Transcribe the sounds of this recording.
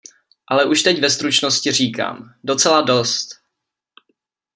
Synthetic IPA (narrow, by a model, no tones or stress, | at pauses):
ʔalɛʔuʃt̪ɛcvɛst̪ɾut͡ʃno̞scɪr̝iːka̰ːmdo̞t͡sɛlado̞st̪